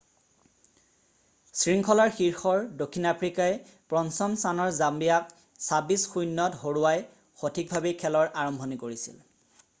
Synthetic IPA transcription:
sɹiŋkʰɔlaɹxiɹxɔɹdokʰːinapʰɹikaɛ | pɹɔnsɔmsanɔɹzambijak̚ | sabisxujnːɔtɦoɹuwaj | xotʰik̚bʱabɛkʰɛlɔɹʔaɹɔmbʱɔnikoɹisḭl

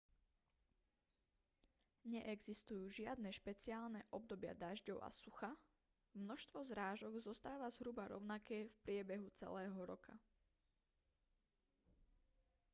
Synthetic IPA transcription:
ɲɛʔɛɡzist̪ujuːʒɪad̪nɛʃpɛt͡siaːlnɛʔɔb̚d̪ɔbɪa̰d̪aʒɟɔʊʔa̰suxa | mnɔʃt̪ʋɔzɾaːʒɔɡzɔst̪aːʋazɦɾubaɾɔ̰ʊnakɛːfpɾɪɛbɛɦut͡sɛ̰lɛːɦɔɾɔka

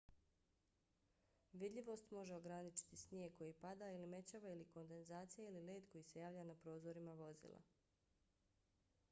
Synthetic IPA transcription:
ʋid̪ʎʲiʋo̞st̪mo̞ʒe̞o̞ɡɾanit͡ʃi̥t̪isnjeɡ̚ko̞jipad̪aːilime̞t͡ɕaːʋailiko̞nd̪e̞nzaːt̪sijailile̞ːd̪ko̞jise̞jaːʋʎanapɾo̞ːzo̞ɾimaʋo̞zḭlˠa̰

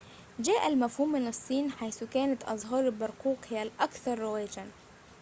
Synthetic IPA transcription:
d͡ʒaːʔalmafhuːmːɪnɨsˤːiːnħajθʊkaːnat̪ʔɑzˤɦɑːɾˤɪlbɑɾˤquːqhɪjalʔɑkθɑɾˤːʊwaːd͡ʒan

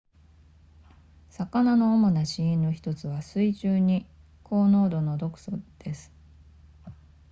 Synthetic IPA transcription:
sakanano̞ːmo̞naɕiĩnno̞çi̥t̪o̞t͡sɨβasɨiʑɨːɲ̟i | kʰo̞ːno̞ːd̪o̞no̞d̪o̞kɯ̟̥sod̪̥e̞sɨ̥

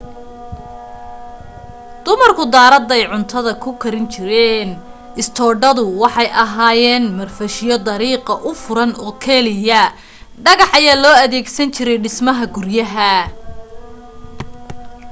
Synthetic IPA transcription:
d̪̥ʊmɐrkʰʊd̪aːɾɐd̪ɛjʕʊnt̪ʰɐðɐkʰʊkʰɐɾɪnt͡ʃʰɪɾɛːn | ɪst̪ʰɔːɖɐðʊwɑħɑjʔɐɦaːjɛːnmɐrfɐʃɪjɔd̪ɐɾiːqɐʔʊfʊɾɐnɔːkʰɛlɪjɐ | ɖɐɣɑħɐjaːlɔːɐðɛːɡsɐnt͡ʃʰɪɾɛjɖɪsmɐɦɐɡʊrjɐɦɐ

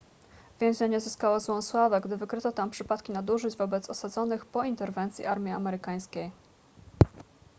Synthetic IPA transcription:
vʲjɛ̃ʑɲaɲɛzɘskawɔzwɔswavaɡd̪ɘvɘkɾɘt̪ɔt̪ampʂɘpat̪kʲinad̪uʐɘd͡ʑvɔbɛt̪sɔsad̪zɔnɘxpɔint̪ɛɾvɛnt̪sʲjḭʔaɾmʲia̰mɛɾɘkaj̃skʲej

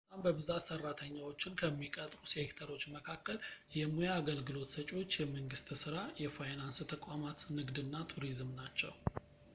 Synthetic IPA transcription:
t̪ʼambəβɨzat̪sərːat̪ʰəɲːawo̞t͡ʃːɪnkʰəmːikʼət̪ʼɾusekt̪ʰəɾo̞t͡ʃːməkʰakːəljɛmujaːɡəlɡɨlo̞t̪sət͡ʃʼo̞t͡ʃːjɛməŋɡɨst̪sɨɾajɛfajnanst̪ʰəkʷʼamat̪nɨɡd̪ɨnːat̪ʰuɾizmnat͡ʃːɛ̰w

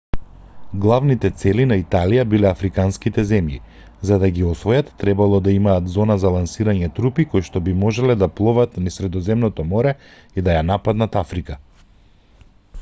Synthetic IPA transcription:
ɡlˠavnit̪ɛt̪sɛlinait̪alijabilɛafɾikanskit̪ɛzɛmjḭ | zad̪aɡiɔsvɔjat̪ːɾɛbalˠɔd̪aimaːt̪zɔnazalˠansiɾaɲɛt̪ɾupikojʃt̪ɔbimɔʒɛlɛd̪aplˠɔvat̪nisɾɛd̪ɔzɛmnɔt̪ɔmɔɾɛ | id̪ajanapad̪nat̪afɾika

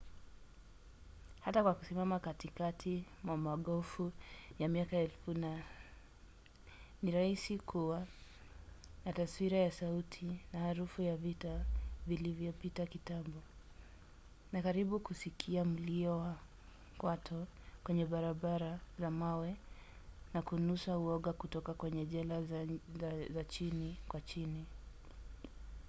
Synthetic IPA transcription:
hatakwaku̥simamakatikatʰi | mwamaɠɔfujamiakaɛlfuna | niɾaisikʰuwa | nataswiɾajasautʰinahaɾufujavitavilivjɔpitakitambɔ | nakaɾiɓukusikʰiam̩liɔwa | kwatʰɔkwɛɲɛɓaɾaɓaɾazamawɛ | nakunusauɔɠakutɔkakwɛɲɛʄɛla | zat͡ʃinikwat͡ʃini

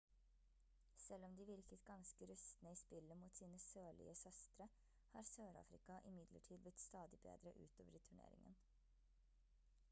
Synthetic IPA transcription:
sɛlɔmd̪iːʋɪɾkət̪ɡɑnskəɾʉst̪nəiːspɪləmuːt̪siːnəsøːɭɪ̰ːəsœst̪ɾə | hɑːɾsøːɾɑ̰ːfɾɪkɑʔɪmɪd̪lə̰ʈʰiːd̪̚blɪt̪st̪ɑːd̪ɪbḛːd̪ɾəʔʉ̰ːt̪oːʋəɾit̪ʰʉɳḛːɾɪ̰ŋə̰n

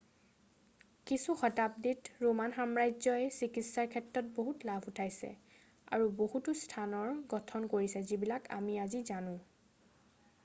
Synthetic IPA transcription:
kisuxɔtap̚ditɹomanxamɹajzɔɛsikitsaɹkʰɛtɹɔt̚boɦutlabʱutʰajsɛ̰ | a̰ɹubohutʊstʰanɔɹɡɔtʰɔnkoɹisɛzibilaka̰miazizanʊ̃

